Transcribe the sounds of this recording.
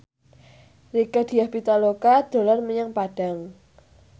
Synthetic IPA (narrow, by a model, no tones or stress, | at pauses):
rikəd̥i̤ahbit̪alokad̪̥o̤lɔrməɲaŋpaɖ̥a̤ŋ